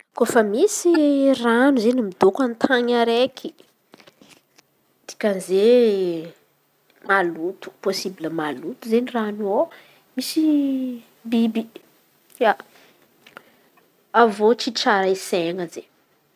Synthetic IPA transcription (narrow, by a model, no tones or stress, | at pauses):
kofəmisiranuzenimid̪okant̪ʰaɲaɾekʰi̥ | t̪i̥kʲanze | malut̪u̥posibiləmalut̪uzeniranuo | misi | bibi | ja | avot͡ʃiʈ͡ʂaɾaiseŋəze